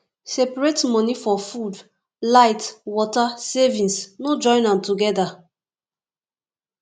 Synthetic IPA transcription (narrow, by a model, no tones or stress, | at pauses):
sɛpɹetmɔ̃nifɔfud | laɪtwɔtasɛvĩnsnod͡ʒɔ̃ɪ̃nãmtuɡɛda